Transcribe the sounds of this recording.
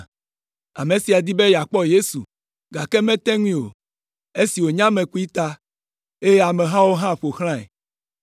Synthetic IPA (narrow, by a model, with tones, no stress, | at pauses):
a̰˨mẽ˨si˨a˨d̪i˦be˦ja˨k͡pɔ˦je˦su˨ | ɡa˨kɛ˦mɛ̃˦t̪ɛ˦ŋuĩ˦˨o̰˨ | e˦si˨wo˨ɲã˦mẽ˨ku˦i˦t̪a˦ | e˦je˦a˨mẽ˨ɦã˦wo˦ɦã˦ɸo˨xl̃ã˦ɛ̰˨